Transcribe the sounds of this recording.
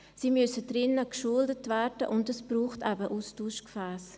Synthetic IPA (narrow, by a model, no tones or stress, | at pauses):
siːmʏsədɾɪnəkʃuldətvɛːɾdəʔʊndəsb̥ɾuːχtɛbəʔustuːʃkfɛːs